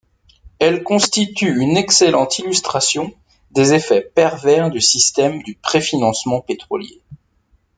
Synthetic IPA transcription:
ɛlkɔ̃st̪it̪yynɛkselɑ̃t̪ilyst̪χasjɔ̃ | d̪ezefɛpɛʁvɛʁd̪ysist̪ɛmd̪ypχefinɑ̃smɑ̃pet̪χɔljḛ

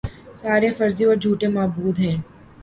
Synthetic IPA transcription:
saːɾefɐɾzĩɔːɾd͡ʒʱuːʈemaːbuːd̪ɦɛ̃ː

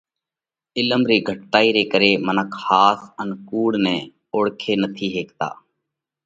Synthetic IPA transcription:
ɪləmɾiːɡʱəʈːaːiːɾeːkəɾeːmənəkʰhaːsənkuːɽnɛ̃ː | oːɽkʰeːnət̪ʰiːɦeːkt̪a̰ː

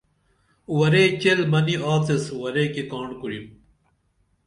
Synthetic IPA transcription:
wɐɾet͡ɕelmɐniʔaːt͡seswɐɾekekaːɳɖkuɽim

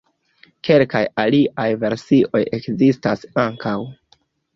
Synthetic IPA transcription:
ke̞lkajaliʔajve̞ɾsiʔo̞je̞kzistasaŋkʰaw

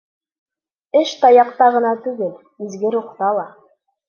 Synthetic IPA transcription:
ɘʃt̪ɑjɑq̚t̪ɑʁɤ̆nɑt̪ʉɡɘl | izɡɘɾuqt̪ɑlˠɑ

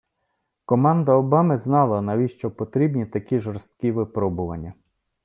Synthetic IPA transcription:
kɔmɑnd̪ɐɔbɑmɪznɑlˠɐnɐʋʲiʃt͡ʃɔpɔt̪ɾʲibnʲit̪ɐkʲiʒɔɾst̪̚kʲiʋɪpɾɔbʊʋɐ̰nʲːɐ

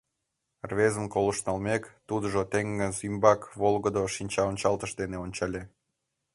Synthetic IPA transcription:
rβezəmkoloʃnɑlmekt̪ud̪əʒot̪eŋːəzymbɑkβolɣəd̪oʃinʲt͡ɕɑonʲt͡ɕɑlt̪əʃd̪eneonʲt͡ɕɑlʲe

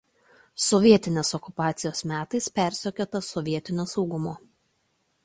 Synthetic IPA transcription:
sɔʋʲiɛt̪ʲɪnʲeːsɔkʊpɑːt̪sʲɪjoːsmʲæːt̪ɐɪspʲæˑɾʲsʲokʲoːt̪ɐsɔʋʲiɛt̪ʲɪnʲoːsɒʊɡʊmoː

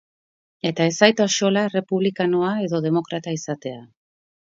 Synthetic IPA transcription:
e̞t̪ae̞sajt̪aʃo̞lare̞puβlikanoae̞ðo̞ðe̞mo̞kɾat̪aisat̪e̞a

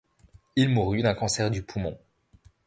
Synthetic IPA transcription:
ilmuʁyd̪ɛ̃kɑ̃sɛʁd̪ypʰumɔ̰̃

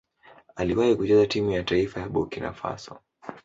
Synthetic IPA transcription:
aliwahikut͡ʃɛzatimujataifajaɓukina̰fa̰sɔ̰

